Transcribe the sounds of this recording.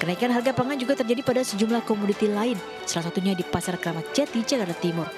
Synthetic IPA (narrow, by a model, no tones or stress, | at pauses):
kənaikanɦarɡapaŋand͡ʒuɡat̪ərd͡ʒadipadasəd͡ʒumlahkɔmudit̪ilaɪn | salas̬at̪uɲadipasarkəɾamat̪̚t͡ʃat̪it͡ʃakaɾlat̪imʊr